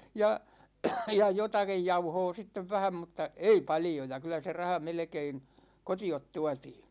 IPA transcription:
jɑ jɑ jotɑkij jɑuhoː sitːeʋ ʋæhæm mutˑɑ ei pɑljojɑ kylæ se rɑhɑ melĕkein kotiot tuɑtiː

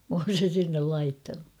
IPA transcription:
m oːn̞ sen̞ sinːel lɑitːɑnu

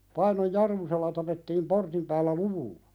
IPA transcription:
pɑinoj jɑrmuselːɑ tɑpetːiːm portim pæːlːæ luʋulːɑ̥

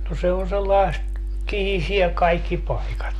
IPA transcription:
no se on selːɑest kihisie kɑikːi pɑikɑt

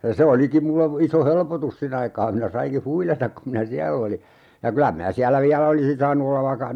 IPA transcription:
jɑ se olikim mulːe iso helpotus sin ɑikɑː minæ sɑiŋki huilɑtɑk kum minæ siælː oli jɑ kylæ minæ siælːæ ʋiælæ olisin sɑːnu olːɑʋ ʋɑikːɑ

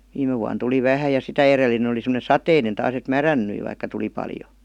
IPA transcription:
ʋiːme ʋuɑn tuli ʋæhæ jɑ sitæ erelinen̞ oli semə̆ne sɑteinen tɑːs et mærænnyi ʋɑikːɑ tuli pɑljo

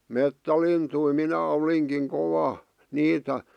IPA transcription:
metːælintui minæ oliŋkiŋ koʋɑ niːtæ

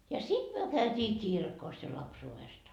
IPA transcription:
jɑ sit myø kæytiː kirkos jɑ lɑpsuːʋest

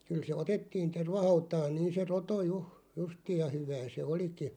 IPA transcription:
kyl se otetːiːn terʋɑhɑutɑːn niːn̞ se roto juh̆ justiːj jɑ hyʋæː se oliki

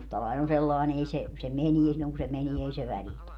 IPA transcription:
mustɑlɑin on selːɑin ei se se menie silːoŋ ku se menie ei se ʋælitæ

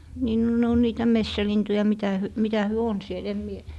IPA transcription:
niː no ne on niːtæ mesːælintujɑ mitæ hy mitæ hyø on siel em mie

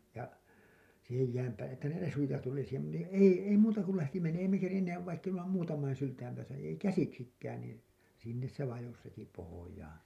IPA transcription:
jɑ siːhej jæːm pæːlːe etːæ ne resujɑ tuli siːhem mu ni ei ei muːtɑ kul læhti men ei me kerinːeːʋ ʋɑikː emːæ muːtɑmɑin syltæim pæːsæ ei kæsiksikːæːn niːn sinːes se ʋɑjos heti pohojɑːn̞

